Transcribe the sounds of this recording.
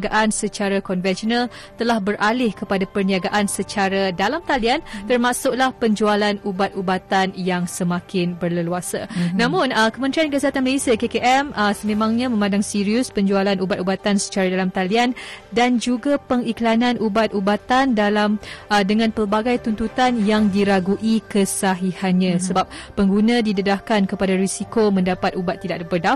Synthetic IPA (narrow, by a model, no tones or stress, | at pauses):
ɡaʔansət͡ʃaɾakɔnvɛnsiɔnal | t̪əlahbəɾʔalɪhkəpadapərniaɡaʔansət͡ʃaɾadalamt̪aliant̪ərmasʊk̚lahpəɲd͡ʒualanubat̪̚ubat̪anjaŋsəmãkɪnbərləluasanãmʊ̃nəkəmənt̪ɾiankəsat̪anməlesiakekeʔɛmʔəsəmẽmãŋɲãmə̃mãndaŋsiɾiʊspəɲd͡ʒualanʔubat̪̚ubat̪ansə̥t͡ʃaɾadalamt̪aliandand͡ʒuɡapəŋiklananʔubat̪̚ubat̪andalamədəŋãnpərbaɡajt̪unt̪ut̪anjaŋdiɾaɡuʔikəsaɦihanɲãsəbap̚ːəŋɡunãdidədahkankəpadaɾisikomə̃ndapat̪ubat̪ːidaʔbədaf